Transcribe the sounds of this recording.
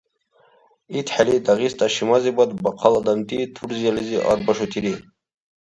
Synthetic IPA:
it̪ħalid̪aɣist̪aʃimazibɔt̪bɑqʰɑlad̪amt̪it̪ʰuɾzializiʔɑ̰ɾbɐʃut̪ʰiɾi

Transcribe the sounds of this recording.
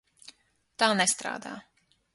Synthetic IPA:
t̪aːnɛst̪ɾa̰ːd̪a̰ː

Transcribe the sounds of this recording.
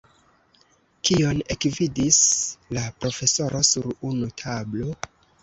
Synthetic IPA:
kio̞ne̞kvidislapɾo̞fe̞so̞ɾʔo̞suɾunutʰablo̞

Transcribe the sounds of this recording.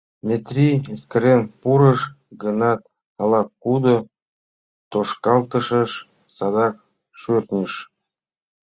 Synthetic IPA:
mʲet̪rʲieskɾenpuɾəʃ | ɡənɑt̪̚ | ɑlɑkːud̪o | t̪oʃkɑlˠt̪ə̆ʃəʃ | sɑd̪ɑk̚ | ʃørt̪nʲəʃ

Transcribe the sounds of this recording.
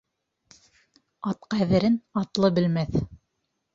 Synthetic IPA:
ɑt̪qæðɘ̆ɾɘnɑt̪lˠɤbɘ̆lmæθ

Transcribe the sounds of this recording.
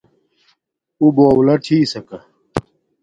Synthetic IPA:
uboːwlɐʈʰiːsɐkɐ

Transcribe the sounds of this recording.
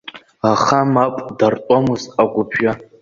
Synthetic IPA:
aχamapʷʼdartʷʼamɨzaɡʷʊpʰʒa

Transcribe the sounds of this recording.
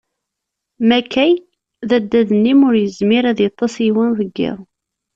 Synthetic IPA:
mækːæj | ðæd̪ːæðənːimʊɾjəzmɪɾæðjɑt̪ˤːɑsiwænðəɡːɪ̰ʁˤ

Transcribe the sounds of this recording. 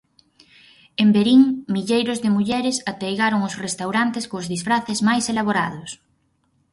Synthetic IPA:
embeɾiŋmiʎejɾʊzðɪmuʎɛɾɪsat̪ejɣaɾoŋʊsrest̪awɾant̪eskozðisfɾaθezmajselaβoɾa̰ðʊs

